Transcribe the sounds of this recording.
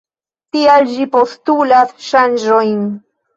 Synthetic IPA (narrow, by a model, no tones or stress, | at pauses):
t̪iald͡ʒipostulasʃand͡ʒojn